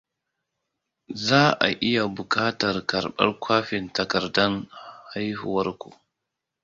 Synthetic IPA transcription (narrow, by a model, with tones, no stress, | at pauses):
zaː˦ʔa̰˨ʔɪ˦ja˨bʊ˨kʼaː˦tɐ˨rkɐ˨rɓɐ̰˦rkʷaː˦ɸɪ˨ntɐ˨kɐ˨rdɐ˦nha˦jhʊ˨wɐ˦rkʷṵ˨